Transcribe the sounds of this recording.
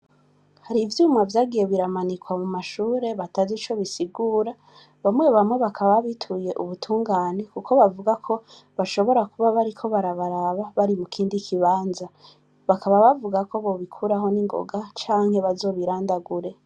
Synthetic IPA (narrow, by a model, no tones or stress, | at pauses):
haɾivjuːmavjaːɡije̞βiɾamanikwamumaʃuːɾe̞βatazit͡ʃo̞βisiɡuːɾa | βamŋe̞βamŋe̞βakʰaβaβaβitʰuje̞ʔuβutʰuːŋɡaːne̞kukʰo̞βavuɡakʰo̞ | βaʃo̞βo̞ɾakuβaβaɾikʰo̞βaɾaβaɾaβaβaɾimukʰiːndikʰiβaːnza | βakaβaβavuɡako̞βo̞βikʰuɾaɦo̞niŋɡo̰ɡat͡ʃaːŋ̥he̞βazo̞ːβiɾaːndaɡuɾe̞